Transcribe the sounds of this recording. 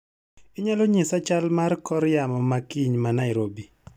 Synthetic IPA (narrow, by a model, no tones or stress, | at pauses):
ɪɲalɔɲɪsat͡ʃalmarkɔɾjamɔmakiɲmanaɪɾobi